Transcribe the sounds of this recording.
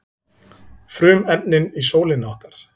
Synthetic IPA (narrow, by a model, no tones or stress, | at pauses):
fɾʏːmɛp̪̚nɪnisoːwlɪnɔhkaɾ̥